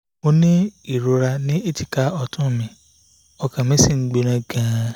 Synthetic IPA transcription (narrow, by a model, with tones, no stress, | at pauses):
mo˧nĩ˦i˦˨ɾo˧ɾa˧nĩ˦e˦˨ti˨ka˦ɔ˧˨tʰũ˦˨mĩ˧ | ɔ˧kã˨mĩ˨˦si˦˨ŋ̩˨˦ɡ͡be˧ɾ̃ã˧ɡã˨˧